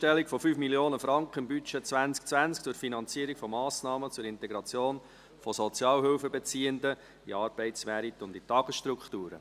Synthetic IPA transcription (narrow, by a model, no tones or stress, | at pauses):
tɛlikfɔfyːfmiljoːnəfɾɑŋkχəɪmbyt͡ʃɛt͡sʋænsk̚t͡sʋænsk̚t͡sʊrfinɑnt͡siəɾikfɔmɑːsnɑːmət͡sʊɾɪnt̪ɛɡɾɑt͡sjoːn | fɔsɔt͡sjɑːlɦʏlfəbet͡siːəndə | iɑːɾb̥ɛɪtsʋæɾit̪ʊnditɑɡ̥əsʃtɾukχtuːɾə̰